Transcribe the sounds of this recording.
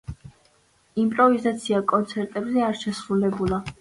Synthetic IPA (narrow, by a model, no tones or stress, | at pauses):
impʼɾɔvizat̪sʰiakʼɔnt̪sʰɛɾt̪ʼɛbzɛaɾʃɛsɾulɛbulˠa